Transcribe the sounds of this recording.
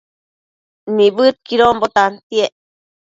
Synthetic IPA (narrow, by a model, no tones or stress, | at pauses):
nĩbɨt̪̚kiɾombot̪ant̪ieʔ